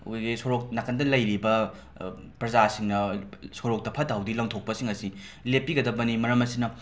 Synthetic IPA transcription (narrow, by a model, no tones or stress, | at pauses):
uɡisoɾok̚nɐkʰɐndɐlɐjɾibɐ | pɾɐzasiŋnɐsoɾok̚tɐpʰɐtawdilɐŋtʰok̚pɐsiŋɐsilepːiɡɐdɐbɐnimɐɾɐmɐsinɐ